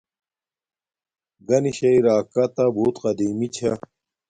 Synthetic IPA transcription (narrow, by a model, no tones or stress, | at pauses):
ɡɐniɕɐiɾaːkɐt̪abuːt̪qɐd̪iːmit͡ɕʰɐ